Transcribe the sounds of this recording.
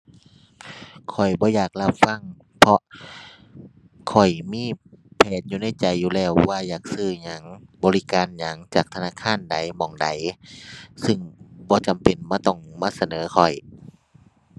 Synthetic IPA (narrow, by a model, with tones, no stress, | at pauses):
kʰɔ˨˩jbɔː˧˦jaː˨˩k̚la˧p̚fa˧˥˨ŋ | pʰɔ˧ | kʰɔ˨˩jmiː˧˥˨pʰɛː˧˩t̪̚juː˧na˧˥˩jt͡ɕa˨jːuː˧lɛː˧˩wːaː˧˨jaː˨˩k̚sɯː˧˩ɲa˨˦ŋbɔː˨˧li˦˧kaː˨nɲa˨˦ŋt͡ɕaː˨˩k̚t̪ʰa˧naː˧˥˨kʰaː˧˥˨nda˨˦jmɔː˨˩ŋda˨˦j | sɯ˧ŋbɔː˧˦t͡ɕa˨mpe˨nmaː˧t̪ɔ˧˩ŋmaː˧˥˨sa˧nɤː˨˦kʰɔ˨˩j